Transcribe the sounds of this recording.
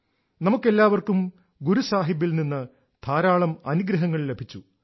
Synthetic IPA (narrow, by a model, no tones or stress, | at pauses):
nɐmukːe̞lːaːʋɐrkum | ɡuɾusaːɦibːilninːɨ | t̪ʰaːɾaːɭɐmɐnuɡɾɐɦɐŋːɐɭle̞bʱit͡ɕːu